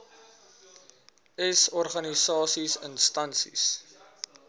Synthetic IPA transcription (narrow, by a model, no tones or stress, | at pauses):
ɛsɔrχɐnisɑːsisənstɐnsḭs